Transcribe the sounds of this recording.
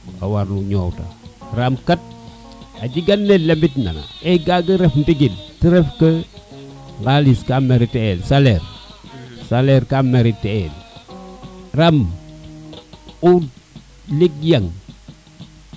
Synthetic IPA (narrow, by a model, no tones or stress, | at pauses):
a̰waɾnuɲowta̰ramkat̚ | aɟiɡanːelembitna̰na̰eɡaɡəɾefntiɡintiɾefkə | ɡaliskameɾiteelsaleɾ | saleɾkameɾiteel | ram | u | lik̚jaŋ